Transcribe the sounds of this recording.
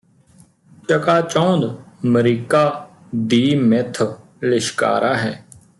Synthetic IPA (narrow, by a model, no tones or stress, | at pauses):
t͡ʃəkaːt͡ʃɔ̃ːnd̪məɾiːkaː | d̪iːmɪt̪ʰ | lɪʃka̰ːɾaːɦɛː